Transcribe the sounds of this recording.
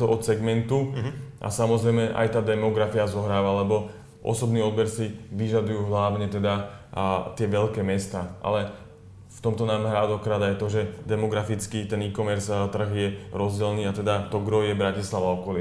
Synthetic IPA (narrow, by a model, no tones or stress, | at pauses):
t̪ɔʔɔt̪sɛɡmɛnt̪uʔa̰samɔzɾɛjmɛʔa̰jt̪aːd̪ɛmɔɡɾafiazɔɦɾaːʋalɛbɔ | ʔɔ̰sɔbniːɔd̪̚bɛɾsiʋiʒad̪ujuːɦlaʊɲɛt̪ɛd̪a | t̪ɪɛʋɛʎkɛːmɛst̪aːʔa̰lɛ | ft̪ɔmt̪ɔnaːmɦɾad̪ɔkɾaːd̪ajt̪ɔʒɛd̪ɛmɔɡɾafit͡skit̪ɛnikɔmɛɾzt̪r̩ɣjɛɾɔzd͡ʑɛlniːat̪ɛd̪at̪ɔɡɾɔjɛbɾacislaʋaɔkɔlɪa